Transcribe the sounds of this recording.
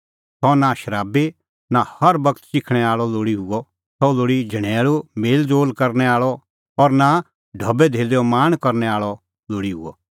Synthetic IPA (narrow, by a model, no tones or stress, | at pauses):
t̪ʰɔnaʃəɾaːbe | nahɐɾbɐkt̪ʃɪkʰɽ̃ɛaːɭɔloːɽiɦʊɔ | sʰɔloːɽid͡ʒʱɐɽ̃eːlumeːld͡zoːlkɐɾnɛaːɭɔ | ɔɾna | ɖʱɐbɛd̪ʱeːleːɔmaːɽ̃kɐɾnɛaːɭɔ | loːɽiɦʊ̰ɔ̰